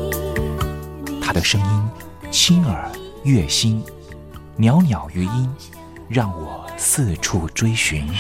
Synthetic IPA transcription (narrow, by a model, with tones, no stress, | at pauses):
t̪ʰa˥d̪ə˨ʂɤ˥ŋi˥n | t͡ɕʰi˥nə˞˨˩ | ɥɛ˥˩ɕi˥n | njɑ˧˥ʊnjɑ˨˩ʊy˧˥i˥n | ɻɑ˥˩ŋwɔ˨˩sʰɹ̩˥˧ʈ͡ʂʰu˥˩ʈ͡ʂwe˥ɪɕy˧˥n